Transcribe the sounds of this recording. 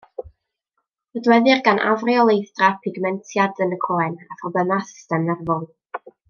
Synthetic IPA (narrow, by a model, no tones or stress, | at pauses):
ədwɛðɪrɡanʔa̰vriɔlˠejθd̥rapʰɪɡmɛntʰjadənəkʰoːɛnafrɔbənasɪ̥stɛmnɛrvɔnˠ